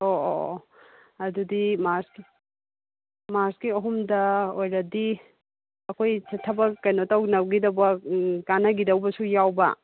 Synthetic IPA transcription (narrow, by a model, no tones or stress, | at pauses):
oo̰ | ɐdudimaɾski | maɾskiɐɦumdɐojɾɐdi | ɐkʰojt͡ʃɐtʰːɐbɐkɐjnotɐwnɐwɡidɐwbɐkanɐɡidɐwbɐsujawbɐ̰